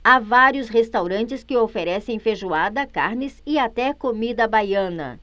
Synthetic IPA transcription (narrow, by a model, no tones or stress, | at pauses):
avaɾjʊshest̪awɾɐ̃nt͡ʃɪskɪofeɾɛsẽj̃feʒuad̪ɐka̰ɾnɪsɪat̪ɛkomid̪ɐbajɐ̃nɐ̰